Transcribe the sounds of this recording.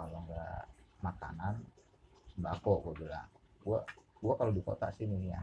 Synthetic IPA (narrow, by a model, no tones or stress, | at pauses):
kaloŋɡa̰maka̰nan | bakoʔɡuabila̰ɡuaɡuakalodiko̰t̪a̰ʔsinija̰